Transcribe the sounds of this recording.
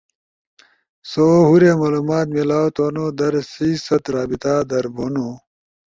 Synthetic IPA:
soːɦuɾemaːluːmaːt̪melaːwt̪oːnoːd̪ɐɾsiːsɐt̪ɾaːbit̪aːd̪ɐɾboːno

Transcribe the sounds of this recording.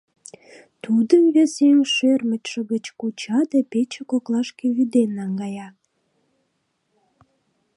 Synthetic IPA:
t̪ud̪ənβeseŋʃørmət̪ʃəɣət͡ɕkut͡ɕɑd̪epet͡ɕekoklɑʃkeβyd̪enːɑŋɡɑjɑ

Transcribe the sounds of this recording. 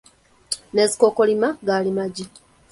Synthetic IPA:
ne̞zikoko̞limaɡaːlimaɟi

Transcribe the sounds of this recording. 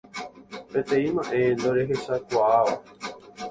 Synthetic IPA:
pẽt̪ẽ̞ĩmãʔe̞nd̪oɾe̞ɦe̞ʃakʷaːʋa

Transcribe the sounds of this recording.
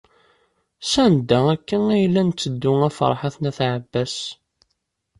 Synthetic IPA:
sænd̪ːæækːənæjlːænt͡sːəd̪ːʊæfə̰ɾˤħaθnæθʕəbːæs

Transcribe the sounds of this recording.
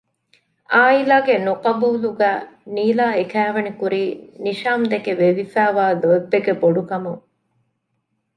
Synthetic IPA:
aːilaːɡenuqɐbuːluɡæːniːlaːekæːʋɐnikuɾiːniʃaːmd̪ekeʋeʋifæːʋaːluebːeɡeboɖukɐmuŋ

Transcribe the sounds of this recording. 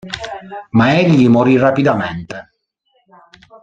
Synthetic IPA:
maeʎːimoɾirapid̪ament̪e

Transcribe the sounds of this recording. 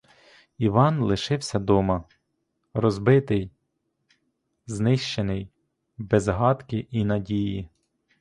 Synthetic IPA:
iʋɑnlˠɪʃɪwsʲɐd̪ɔmɐ | rɔzbɪt̪ɪj | znɪʃt͡ʃenɪj | bezɦɑt̪kʲɪʔinɐdʲiji

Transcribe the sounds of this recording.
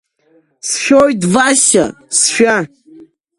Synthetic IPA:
sʃᶣojdvasa̰ | sʃᶣa

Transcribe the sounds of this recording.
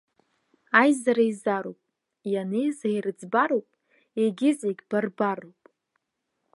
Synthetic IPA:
ajzaɾaizaɾowpʼ | janejzajrɨd͡zbaɾowpʼ | eɡʲɪzeɡʲb̥arbarowpʼ

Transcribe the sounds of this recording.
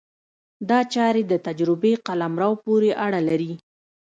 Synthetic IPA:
d̪ɑt͡ʃɑɾed̪ət̪ad͡ʒɾɪbeqalamɾɑwpoɾeʔaɽalaɾi

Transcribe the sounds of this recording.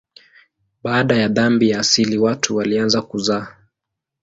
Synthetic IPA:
ɓaːɗajaðambijaːsiliwatʰuwalianzakuzaː

